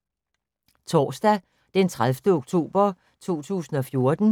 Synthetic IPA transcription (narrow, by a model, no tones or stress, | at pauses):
t͡sʰɒ̰ːsd̥æ | d̥ent͡sʰʁalfd̥əoɡ̥̚t͡sʰo̝̰ːb̥ɐ | t͡sʰo̝̰ːt͡sʰṵːsn̩ɒ̽fjo̝ɐd̥n̩